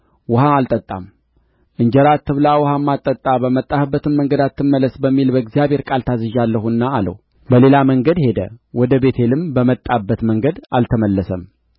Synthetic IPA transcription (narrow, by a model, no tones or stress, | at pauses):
wʊhaalt̪ʼət̪ʼːa̰m | ʔɨɲd͡ʒəɾat̪ːɨβlawɔhamːat̪ʼːət̪ʼːabəmət̪ʼːahɨbːət̪ɨnməŋɡəd̪at̪ʰːɨmːələsbəmːilbəɨɡzijaβhe̞ɾkʼalt̪ʰazɨʒalːəhunːaːlə̰w | bəle̞laməŋɡəd̪he̞d̪ə̰wɔd̪əbe̞t̪ʰelɨmbəmət̪ʼːabːət̪məŋɡəd̪alt̪ʰəməlːəsəm